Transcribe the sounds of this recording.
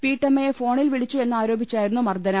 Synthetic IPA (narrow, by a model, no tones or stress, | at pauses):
piːʈːɐmːɐjefo̞ːɳilʋiɭit͡ɕːue̞nːaːɾo̞ːbʱit͡ɕːaːjiɾunːumɐrd̪ɐnɐm